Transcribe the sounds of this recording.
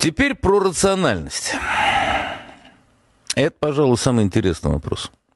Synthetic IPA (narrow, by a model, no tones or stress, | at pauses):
tʲɪpʲeɾʲpɾərət̪sɨɐnalʲnəsʲtʲ | ɛt̪əpɐʐalˠʊjsamɨjɪnʲtʲɪɾʲesnɨjvɐ̰pɾo̰s